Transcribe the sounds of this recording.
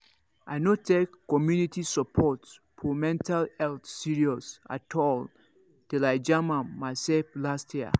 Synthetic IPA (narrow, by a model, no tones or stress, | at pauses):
ʔa̰jnotʰekːɔmjunitisəpʰɔts | fɔmɛ̃ntʰalɛltsiɹiɔsa̰tʰɔl | telaɪd͡ʒamãnmasɛflastʰjiə̰